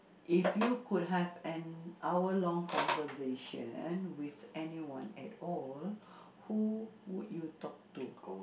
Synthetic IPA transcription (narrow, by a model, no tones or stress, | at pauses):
ʔifjukud̚ɦɛvɛ̃nʔawəlɔ̃ŋkʰɔ̃nvəseʃə̰̃nwiθɛniwã̰nɛ̰tɔl | huwudjutɔk̚tu